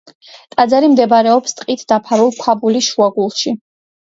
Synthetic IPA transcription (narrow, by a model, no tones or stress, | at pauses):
t̪ʼad̪zaɾimd̪ɛbɾɛɔpst̪ʼqʼit̪ʰd̪̥apʰaɾulˠkʷʰabuliʃuaɡulˠʃi